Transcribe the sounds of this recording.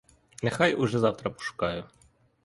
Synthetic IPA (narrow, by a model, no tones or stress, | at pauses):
nɛxajʊʐɛzɑwt̪ɾɐpɔ̥ʃʊ̥kɑjʊ